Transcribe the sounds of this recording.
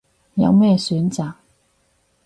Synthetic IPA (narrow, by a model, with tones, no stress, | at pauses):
jɐ̰˨˧wmɛː˥syː˨˥nt͡saː˨k̚